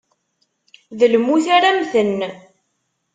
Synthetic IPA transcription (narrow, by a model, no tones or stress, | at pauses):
ðəlmuθaɾamθənː